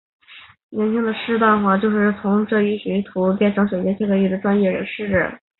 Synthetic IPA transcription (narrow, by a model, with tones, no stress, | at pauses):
nɛ˧˥nt͡ɕʰi˥ŋd̪ə˨ʂɻ̩˥t̪a˥˧nxwa˥˩t͡ɕjo˥˧ʊʂɻ̩˥˩t͡sʰʊ˧˥ŋʈ͡ʂɤ˥˩y˧˥ɕi˧˥t̪ʰu˧˥pjɛ˥˩nʈ͡ʂʰŋɕjo˨˩ʊt͡ɕjɛ˥t͡ɕʰɛ˥˩ɡə˧˥ly˥˩d̪ə˩ʈ͡ʂwa˥nɥɛ˥˩ɻə̰˧˥nʂɻ̩˥˩ʈ͡ʂə̰˥˩